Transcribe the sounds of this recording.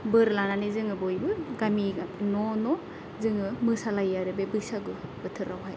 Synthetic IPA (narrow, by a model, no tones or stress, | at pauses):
bɯɾlananɯzɯŋɯbɔjbɯɡaminɔnɔ | zɯŋɯmɯsalajaɾɯbebɯsaɡɯbɯtʰɯɾawɦaj